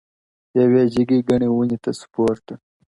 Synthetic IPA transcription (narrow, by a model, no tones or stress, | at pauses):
eweːd͡ʑiɡiɡɐɳiwuɲit̪ɐsu̥poːɾt̪ɐ